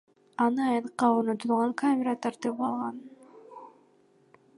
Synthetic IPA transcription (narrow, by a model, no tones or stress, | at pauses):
ɑnɯɑjɑnqːɑøɾnot̪ulˠʁɑŋkamʲeɾat̪ʰɑɾt̪ɯpɑlˠʁɑn